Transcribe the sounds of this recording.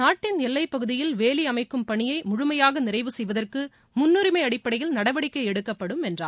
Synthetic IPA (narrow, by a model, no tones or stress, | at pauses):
naːʈːɪnɛlːɐɪpːɐɣɯðɪjɪlʋeːliɐmɐɪkːɯmpɐɳɪjɐɪmʊɻʊmɐjaːɣɐnɪrɐɪʋɯsɛjʋɐðɐrkɯ | mʊnːɯɾɪmɐɪɐɽɪpːɐɽɐjɪlnɐɽɐʋɐɽɪkːɐɪɛɽɯkːɐpːɐɽɯmɛndra̰ː